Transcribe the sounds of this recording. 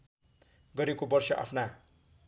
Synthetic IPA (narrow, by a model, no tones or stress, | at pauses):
ɡʌɾekobʌrsʌʔa̰pʰna